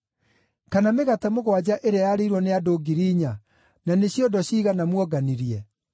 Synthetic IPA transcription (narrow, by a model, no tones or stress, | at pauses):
kanameɣatɛmoɣwad͡ʑaʔeɾajaɾeiɾwɔneadoːɡiɾiːɲa | naneɕjɔndɔɕiːɣanamwɔɡaniɾiɛ